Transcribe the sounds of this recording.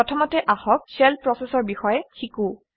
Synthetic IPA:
ɔtʰɔmɔtɛʔaxɔk̚sɛlpɹɔsɛsɔɹbixɔjɛkʰikũ

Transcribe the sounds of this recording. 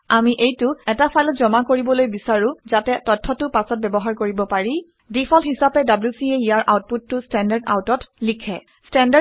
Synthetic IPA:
amiʔejtʊɛtapʰajlɔtzɔmakoɹibɔlojbisaɹʊ̃zatɛtɔtʰːɔtʊpasɔt̚bɛbɔɦaɹkoɹibɔpaɹi | dipʰɔlhisapɛdablusieijaɹʔawt̚putːʊstɛndaɹda̰wtɔtlikʰɛ | stɛnda

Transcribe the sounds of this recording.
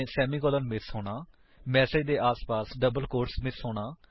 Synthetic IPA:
sɛːmiːkɔːlənmɪsɦoːɽ̃aː | mɛːseːd͡ʒd̪eːʔaːspaːsɖəbəlkoːɾʈsmɪsɦoːɽaː

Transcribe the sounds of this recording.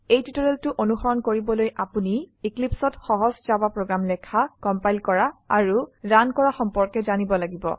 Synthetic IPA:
ejtitoɹɛltʊʔonuxɔɹɔnkoɹibɔlojʔapuniiklipsɔtxɔɦɔzzabapɹoɡɹamlɛkʰakɔmpajlkɔɹaːɹuɹankɔɹaxɔmpɔɹkɛzanibɔlaɡibɔ̰

